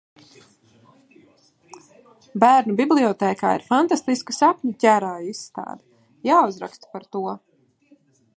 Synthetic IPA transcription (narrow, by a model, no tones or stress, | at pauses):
bæːɾnubiblˠiɔt̪ɛːka̰ːḭɾfant̪ast̪iskəsapɲacʲæɾaːjisːt̪a̰ːd̪a | jaːuzɾa̰kst̪paɾt̪uɔ